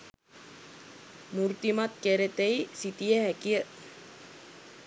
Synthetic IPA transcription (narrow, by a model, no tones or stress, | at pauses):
murt̪imat̪̚keɾet̪eisit̪ieɦɛkiəʔ